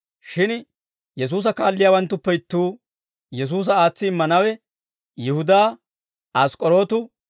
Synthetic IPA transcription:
ʃɪn | jɛs̬uːs̬ɐkaːlːɪjaːwɐnt̪ːʊpːɛɪt̪ːuː | jɛs̬uːs̬ɐaːt͡sːɪːɪmːɐnɐwɛ | jɪhʊd̪aː | askʼɔɾo̞ːt̪ʊ

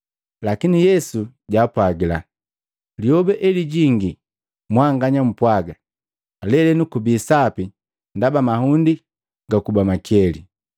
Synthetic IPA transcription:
lakinijɛsu | ɟaːpwaɡila̰ | liɔbɛʔɛliɟiŋɡi | mwaŋɡaɲam̩pwaɡaː | lɛlɛnukubiːsapi | ndabamahundi | ɡakubamakɛli

